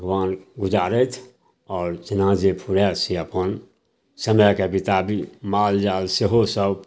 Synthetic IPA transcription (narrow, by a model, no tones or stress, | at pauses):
bʱəɡwaːnɡʊd͡ʒaːɾət̪ʰ | ɔːɾt͡ʃənãːd͡ʒepʰuɾesiəpən | səməkepɪt̪abʱimaːld͡ʒaːlseɦosəb